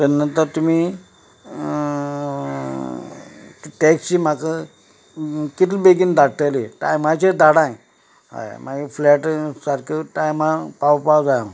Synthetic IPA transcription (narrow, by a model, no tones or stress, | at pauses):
t̪ənət̪əɾt̪umiː | ʈɛkt͡ɕiːm̤akə | kit̪libeɡind̪ʱaɽt̪əliʈa̰jmat͡ɕed̪aɽãj | ɦa̰jmaɡiflɛʈsaɾkʰeʈajmapawpawd͡zajãw